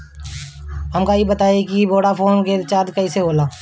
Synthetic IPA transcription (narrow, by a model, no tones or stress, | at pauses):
ɦəmkaibɐt̪aːekiboːɽapʰoːnket͡ʃaːɾd̪kɐiseɦoːlaː